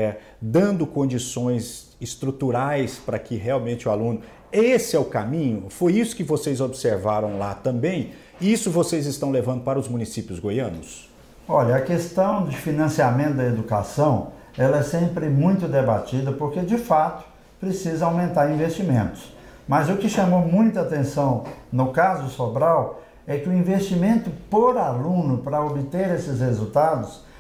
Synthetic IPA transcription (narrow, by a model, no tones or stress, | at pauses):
ɛ | d̪ɐ̃nd̪ʊkõd͡ʒisõj̃z | ɪst̪ɾut̪uɾajspɾɐkɪɦeawmẽnt͡ʃɪʊalũnʊ | esɪɛʊkamĩɲʊfojisʊ̥kɪvosejzobseɾvaɾɐ̃w̃lat̪ɐ̃mbẽj̃ | isʊvosejzɪst̪ɐ̃w̃levɐ̃nd̪ʊpaɾɐʊzmũnisipjʊzɡojɐ̃nʊs | ɔʎɐɐkest̪ɐ̃w̃d͡ʒɪfinɐ̃siamẽnt̪ʊd̪ɐed̪ukasɐ̃w̃ | ɛlɐɛsẽmpɾɪmũj̃t̪ʊd̪ebat͡ʃid̪ɐpoɾked͡ʒɪfat̪ʊ̥ | pɾesizɐawmẽnt̪aɾĩvest͡ʃimẽnt̪ʊ̥s | mɐzʊkɪʃɐmomũj̃t̪ɐat̪ẽsɐ̃w̃nʊkazʊsobɾaw | ɛkɪʊĩvest͡ʃimẽnt̪ʊpoɾalũnʊpɾɐobɪt̪eɾesɪshezut̪ad̪ʊs